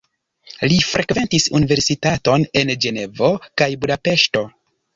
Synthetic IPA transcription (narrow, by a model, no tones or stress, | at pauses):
lifɾʔe̞kve̞ntisunive̞ɾsitato̞ne̞nd͡ʒe̞ne̞vo̞kajbudape̞ʃto̞